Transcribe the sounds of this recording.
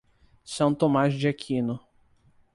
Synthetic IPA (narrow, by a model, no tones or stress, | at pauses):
sɐ̃w̃t̪omazd͡ʒiakʰĩnʊ